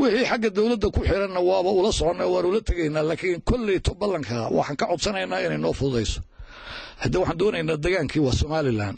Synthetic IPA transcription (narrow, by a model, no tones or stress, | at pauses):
wɪħiːħɑɡːɐd̪ɔwlɐd̪ːɐkʰʊħɪɾɐnːɐwɑːβɐʊlɐsɔʕɔnːɐwaːnʊlɐt̪ʰɐɣɛjnaːlaːkʰɪŋkʰɔlːit̪ʰɔbɐlːɐŋkʰɐwʔɑ̰ħɑːŋkʰɐʕɔd̪sɐnɛjnaːɪnɛjnɔːfʊðɛjsɔ̥ | hɐd̪iwɑħɑːnd̪ɔːnɛjnaːd̪ɐɣaːŋkʰiːwɑːsɔmaːlɪla̰ːn